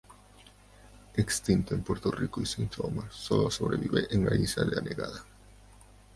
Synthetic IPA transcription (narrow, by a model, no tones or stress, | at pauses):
ekst̪int̪oʊempoɾt̪orikoisiɱfomasoloasoβɾeβiβeɾʔeŋɡaisaðɪaneɣa̰ðɐ